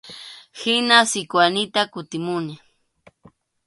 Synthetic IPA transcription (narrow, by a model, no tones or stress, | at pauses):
hɪnasɪkwanɪt̪akʊt̪ɪmʊnɪ